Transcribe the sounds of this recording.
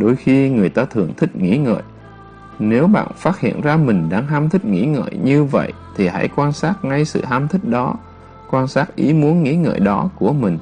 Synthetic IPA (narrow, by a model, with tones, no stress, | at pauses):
ɗo˧˦jxi˧ŋɨ˨˩əjt̪aː˧t̪ʰɨ˨˩əŋt̪ʰï˦˥k̚ŋḭ˧˥ŋə̰ː˧˨j | ne˨˦wɓa̰ː˧˨nfaː˦˥t̚hḭ˧˨ənzaː˧mï˨˩ŋ̟ɗaː˧ŋɦaː˧mt̪ʰï˦˥k̟̚ŋḭ˧˥ŋə̰ː˧˨jɲɨ˧və̰˧˨j | t̪ʰi˨˩ha̰˧˥˩jkwaː˧nsaː˦˥t̚ŋa˧jsɨ̰˧˨ɦaː˧mt̪ʰï˦˥k̟̚ɗɔ˨˦ | kwaː˧nsaː˦˥k̚ʔi˨˦mu˨˦ənŋḭ˧˥ŋə̰ː˧˨jɗɔ˨˦ku˧˩əmï˨˩ŋ̟